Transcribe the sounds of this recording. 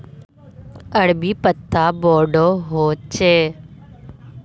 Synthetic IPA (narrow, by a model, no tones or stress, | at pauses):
əɽbiːpət̪ʰːaːboːɖoːɦoːt͡ʃeː